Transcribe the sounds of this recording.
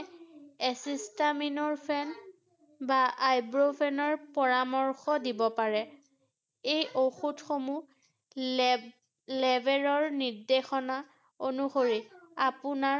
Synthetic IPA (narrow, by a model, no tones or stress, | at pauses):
ɛsistaminɔɹpʰɛn | baajbɹopʰɛnɔɹpɔɹamɔɹxɔdibɔpaɹɛ | ejʔoxutxomu | lɛbʱelɔɹnidexɔna | onuxoɹiapʊna